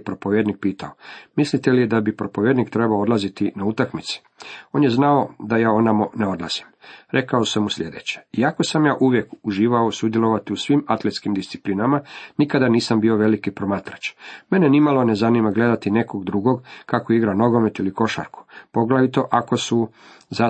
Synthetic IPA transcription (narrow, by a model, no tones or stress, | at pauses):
pɾo̞poʋjed̪nik̚piːt̪ʰaomislit̪elijed̪abipɾo̞poʋjed̪nikt̪ɾebaood̪lazit̪inaut̪akmit̪si̥ | o̞ːnjeznaod̪ajaːonamoneo̞d̪la̰z̥i̥mɾʔe̞kaosamuslʲje̞d̪ḛt͡ɕe̥iako̞samjaːʔuʋje̞kuʒiːʋaosud̪jelo̞ʋat̪iusʋimat̪let̪skimd̪ist̪si̥plinamanikad̪aniːsambio̞ʋe̞likipɾo̞maːt̪ɾat͡ʃme̞nenimalo̞nezanimaɡle̞d̪at̪ine̞koɡd̪ɾuɡo̞ɡkakoiɡɾano̞ɡo̞met̪iliko̞ʃa̰ɾku̥po̞ɡlaʋit̪o̞ʔako̞su | za